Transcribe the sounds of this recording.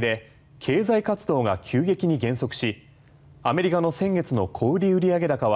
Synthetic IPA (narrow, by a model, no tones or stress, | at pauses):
d̪e̞ | kʰe̞ːzaikat͡sɨd̪o̞ːɡakʲʰɨːɡe̞kʲiɲ̟iɡẽ̞ɰ̃so̞kɯ̟̥ɕi | ame̞ɾʲikano̞sẽ̞ŋɡe̞t͡sɨno̞kʰo̞ːɾʲiɯ̟ɾʲiaɡe̞d̪akaβ